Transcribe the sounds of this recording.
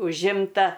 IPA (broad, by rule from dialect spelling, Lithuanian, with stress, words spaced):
ʊʒʲˈɪmtɐ